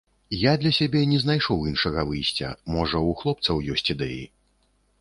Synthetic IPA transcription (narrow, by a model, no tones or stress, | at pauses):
jad̪lʲɐsʲabʲɛnʲɛznajʂɔwinʂɐɣɐvɨjsʲt͡sʲɐ̰mɔʐɐuxlˠɔp̚t̪sɐwjɔsʲt͡sʲid̪ɛjḭ